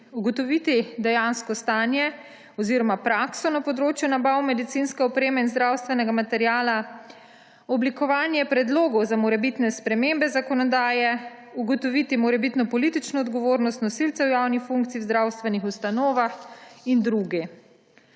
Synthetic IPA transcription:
uɡɔt̪ɔʋit̪id̪ɛjanskɔst̪aːnjɛ | ɔziɾɔmapɾaksɔnapɔd̪ɾoːt͡ʃjunabawmɛd̪it̪sinskɛɔpɾeːmɛinzd̪ɾawst̪ʋɛnɛɡamat̪ɛɾjaːla | ɔblikɔʋaːnjɛpɾɛd̪loːɡɔwzamɔɾɛbit̪nɛspɾɛmembɛzakɔnɔd̪aːjɛ | uɡɔt̪ɔʋit̪imɔɾɛbit̪nɔpɔliːt̪it͡ʃnɔːd̪ɡɔʋoːɾnɔst̪nɔsilt̪sɛwjawnixfuŋk̚t̪siiwzd̪ɾawst̪ʋɛnixust̪anoːʋaxind̪ɾuɡi

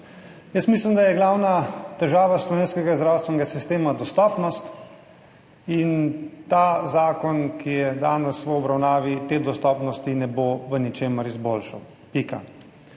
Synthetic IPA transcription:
jəsmislimd̪ajɛɡlawnat̪ɛʒaːʋaslɔʋeːnskɛɡazd̪ɾawst̪ʋɛnɛɡasist̪eːmad̪ɔst̪ɔːpnɔst̪ | int̪azaːkɔnkijɛd̪a̰ːnɛsʋəɔbɾawnaːʋit̪eːd̪ɔst̪ɔːpnɔst̪inɛboʋənit͡ʃeːməɾizbolʃaw | pika̰

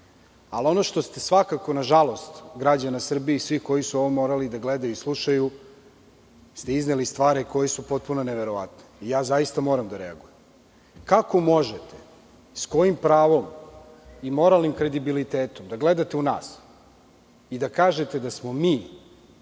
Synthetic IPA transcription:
alio̞no̞ʃt̪o̞st̪e̞sʋakako̞naʒalo̞st̪ɡɾad͡ʑanasr̩bijeisʋixko̞jisuo̞ʋomo̞ːɾalid̪aɡle̞d̪ajuislˠuʃaju | st̪eiznelist̪ʋaːɾiko̞jesupo̞t̪̚punoneʋeɾo̞ʋa̰t̪neijaːzaist̪amo̞ːɾamd̪aɾea̰ɡujem | kako̞mo̞ʒet̪e̥ | sko̞jimpɾaːʋo̞m | imo̞ɾalˠnimkɾe̞d̪ibilit̪eːt̪o̞md̪aɡle̞d̪at̪e̞una̰ːs | id̪akaːʒe̞t̪e̞d̪asmo̞miː

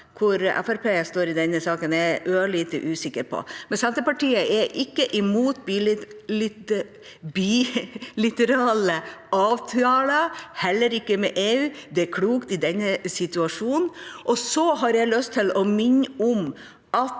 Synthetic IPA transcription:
kʰʊɾɛ̰fæɾpʰeːst̪oːɾɪd̪ɛnːəsɑːkənɛʔøːɭiːt̪ə̰ʔʉːsɪkːəɾpʰɔ̰mɛnsɛnt̪əpɑʈiːəʔɛʔɪkːəʔɪmuːt̪b̪ | bilɪt̪əɾɑːləɑːʋt̪ʰɑːləhɛlːəɾɪkːəmɛ̰ʔeːʉːd̪ɛækʰɽuːkt̪ɪd̪ɛnːəsɪt̪ʉɑʂuːnn̩ʔɔsɔɦɑɾjæɪlœst̪ʰːɪlɔmɪnːʊm | ʔɑt̪

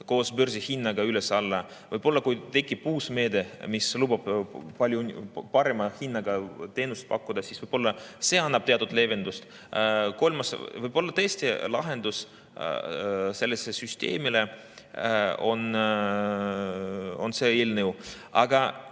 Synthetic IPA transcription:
ko̞ːsbørsihinːɑɡ̥ɑylesɑlːɑ | vɯ̰jb̥o̞lːɑkujt̪e̞kːipuːsme̞ːd̪emislubɑb̥pɑlʲjupɑɾemɑhinːɑɡ̥ɑt̪e̞ːnust̪̚pɑkːud̪̥ɑsiːsvɯjb̥o̞lːɑse̞ːɑnːɑb̥̚t̪e̞ɑt̪ud̪le̞ve̞nd̪ust̪ | ko̞lmɑsvɯjbo̞lːɑt̪ɤesʲt̪ilɑɦe̞nd̪̥us | se̞lːesesyst̪e̞̰ːmile | o̞̰n | o̞̰nse̞eːlnew | ɑ̰ɡ̥ɑ

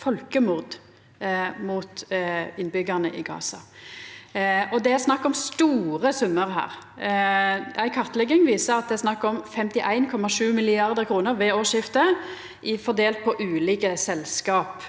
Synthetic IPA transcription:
fɔlkəmʊʁd̪ | muːt̪ɪnːbʏɡəʁnəʔɪɡɑ̰ːsɑ | ɔd̪ɛæsnɑkːɔmst̪uːɾəsʊmːəɾɦæ̰ːʁ | æɪkʰɑʁt̪lɛɡɪŋʋiːsəɾɑt̪̚d̪ɛæɾsnɑkːɔmfɛmt̪ɪʔæɪnkʰɔmɑʂʉːmɪlɪɑʁd̪əʁkʰɾuːnəɾʋeːoːʂɪft̪ə | ʔɪfɔd̪eːlt̪̚pʰɔʔʉːliːkəsɛlskɑːp

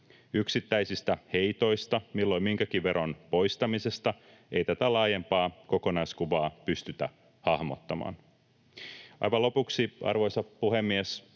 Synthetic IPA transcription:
yksit̪ːæjsist̪æhe̞jt̪o̞jst̪ɑmilːo̞jmiŋkækiʋʋe̞rːɑnpo̞jst̪ɑmise̞st̪ɑ | e̞jt̪æt̪ælɑːje̞mpɑːko̞ko̞nɑjskuʋɑːpyst̪yt̪æ̰ | hɑhmo̰t̪ːɑmɑ̰ːn | ʔɑ̰jʋɑlo̞puksiʔɑ̰rʋo̞jsɑpuɦe̞mːies

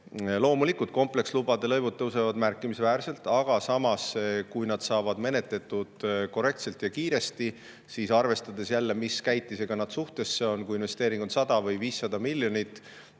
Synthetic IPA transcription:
lo̞ːmulikːˑult̪̚ko̞mple̞kslub̥ɑd̪̥e̞lɤjvud̪ːɤwse̞vɑd̪mærkːˑimisvæːɾse̞lt̪ˑɑɡ̥ɑsɑmɑskujnɑd̪̥sɑːvɑd̪me̞ne̞t̪le̞t̪ːˑud̪̥ko̞re̞kt̪se̞lt̪jɑkiːɾe̞st̪i | sisɑrve̞st̪ɑd̪e̞sjælːe̞miskæjt̪ːˑise̞ɡ̥ɑnɑd̪̥suht̪e̞sːeo̞nkujinve̞st̪e̞ːɾiŋɡ̥unt̪sɑd̪̥ɑvɤjviːsːɑd̪̥ɑmilːjo̞nit̪ːˑ

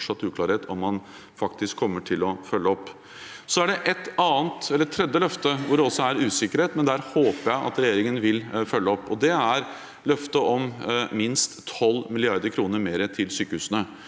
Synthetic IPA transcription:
ʂɑt̪ːʉːklɑːɾheːt̪ʰɔmːɑn | fɑk̚t̪ɪskʰːɔmːəʈʰɪlɔfœlːəɔpː | sɔæɖɛʔɛt̪ɑːənt̪ɛləɾɛt̪ʰːɾɛd̪ːəlœft̪əʋʊɖɛɔsːɔæɾʉːsɪkːəɾheːt̪mɛnd̪æːɾhoːpəɾjæɪʔɑ̰t̪ɾɛjeːɾɪŋənʋɪlfœlːəɔpːɔd̪ɛæɾ | lœft̪əʔɔmmɪnst̪ʰɔlːmɪlɪɑɾd̪əɾkʰɾuːnəɾmeːɾət̪ʰɪlsyːkəhʉːsənə

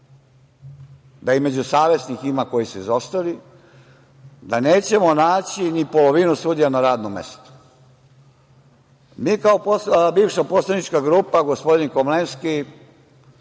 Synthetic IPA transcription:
d̪aime̞d͡ʑusaːʋe̞sniximako̞jisuizost̪ali | d̪aneːt͡ɕe̞mo̞naːt͡ɕinipo̞lo̞ʋinusuːd̪ijanaɾaːd̪nomːḛst̪u̥ | miːkaopbiːʋʃaposlˠanit͡ʃkaɡɾuːpaɡo̞spo̞d̪inkomlenski

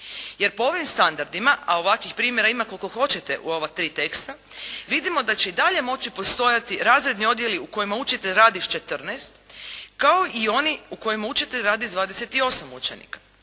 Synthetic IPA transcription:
je̞ɾpo̞o̞ʋimst̪and̪aɾd̪imaʔao̞ʋakʋixpɾiːmje̞ɾaimakolkoxo̞t͡ɕe̞t̪ḛʔṵo̞ʋat̪ɾiːt̪e̞kst̪a | ʋid̪imo̞d̪at͡ɕe̞id̪aʎe̞mo̞t͡ɕipost̪o̞jat̪iɾaːzɾe̞d̪nio̞d̪je̞liuko̞jimaut͡ʃit̪e̞ʎɾaːd̪iʃt͡ʃe̞t̪r̩nɛːst̪kao̞ʔio̞niuko̞jimaut͡ʃit̪eʎʲɾaːd̪iʒd̪ʋaːd̪ese̞t̪io̞samut͡ʃenḭkḁ

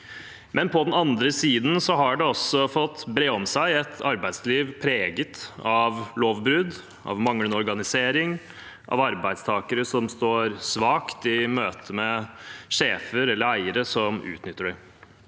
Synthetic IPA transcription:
mʔɛnpʰɔd̪ɛnɑnd̪ɾəsiːd̪n̩sɔɦɑɖɛɔsɔfɔt̪ːbɾeːɔmsæɪɛt̪ʰɑɾbæɪd̪sliːʋpʰɾeːɡət̪ɑʋloːʋbɾʉd̪ | ʔɑ̰ʋmɑŋənəɔɾɡɑnɪseːɾɪŋ | ʔɑ̰ʋɑɾbæɪd̪st̪ʰɑːkəɾəsɔmst̪oːɾsʋɑːkt̪ɪmøːt̪ʰəmɛʂeːfəɾɛlːəɾæɪəɾəsɔmʔʉ̰ːt̪nʏt̪ːəɖæ

